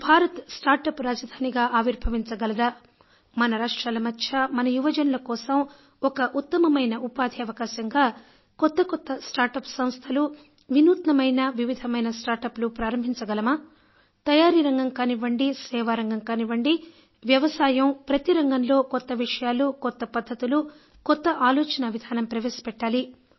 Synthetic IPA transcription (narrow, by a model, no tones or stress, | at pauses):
bʱaːɾɐt̪sʈaːɾʈɐpɾaːd͡ʒɐd̪ʱaːniɡaːʔaːʋiɾbʱɐʋiɲt͡ʃɐɡɐlɐd̪ɐ | mɐnɐɾaːʂʈɾaːlɐmɐtːʃʰɐmɐnɐjuʋɐd͡ʒɐnulɐkɔːsɐm | ɔkɐʔut̪ːɐmɐmɐjnɐʔupaːd̪ʱiɐʋɐkaːʃɐŋɡaː | kɔt̪ːɐkɔt̪ːɐsʈaːɾʈɐpsɐm̃st̪ʰɐlu | ʋinuːt̪nɐmɐjnɐʋiʋid̪ʱɐmɐjnɐsʈaːɾʈɐplupɾaːɾɐmbʱiɲt͡ʃɐɡɐlɐmɐ | t̪ɐjaːɾiɾɐŋɡɐŋkaːniʋɐɳɖisɛːʋaːɾɐŋɡɐŋkaːniʋɐɳɖi | ʋjɐʋɐsaːjɐmpɾɐt̪iɾɐŋɡɐnlo̞ːkɔt̪ːɐʋiʂɐjaːlukɔt̪ːɐpɐd̪ʱːɐt̪ulu | kɔt̪ːɐʔaːlɔːt͡ʃɐnɐʋid̪ʱaːnɐmpɾɐʋeːsi̥pɛʈːaːli